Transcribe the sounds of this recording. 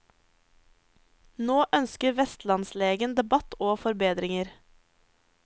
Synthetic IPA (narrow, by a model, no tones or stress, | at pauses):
noːʔœnskəɾʋɛst̪lɑnsleːɡənd̪ɛbɑt̪oːfɔɾbeːd̪ɾɪŋəɾ